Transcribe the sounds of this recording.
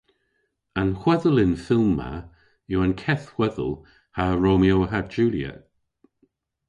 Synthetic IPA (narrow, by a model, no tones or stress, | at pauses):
anxwɛðəlɪnfɪlˠmːa̰ | ɪwankʰɛθhw̥ɛðə̰lˠ | haɹomioːɦad͡ʒuːljə̰